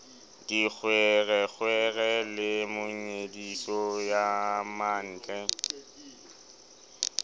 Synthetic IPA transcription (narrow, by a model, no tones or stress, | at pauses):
d̥ik͡xʰwɛɣɛk͡xʰwɛɣɛlɪmʊɲedisɔjaman̩ːt͡ɬʼɛ